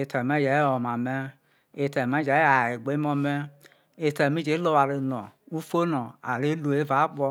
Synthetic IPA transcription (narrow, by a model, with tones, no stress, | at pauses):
e˨tɛ˨me˦d͡ʒɛ˨˦ɔ˨ma˨me˦ | e˨tɛ˨mɛ˦d͡ʒa˨˦a˨e˨ɡ͡be˨˦mɔ˧mɛ˦ | e˨tɛ˨mĩ˦d͡ʒe˨˦lo˦wa˨le˨nɔ̃˨u˦fo˦nɔ̃˨a˨le˦lo˨e˦va˨˦k͡pɔ˧